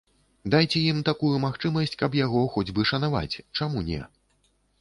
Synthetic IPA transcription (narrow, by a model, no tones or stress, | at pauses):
d̪ajt͡sʲɛjimt̪akujumaxt͡ʂɨmɐsʲt͡sʲkɐpjaɣɔxɔd͡zʲbɨʂɐnava̰t͡sʲt͡ʂamunʲɛ̰